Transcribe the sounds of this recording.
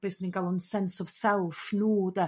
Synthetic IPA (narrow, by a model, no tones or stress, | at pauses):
b̥eːsninɡalˠɔnsɛnsɔv̥sɛlˠfnuːdə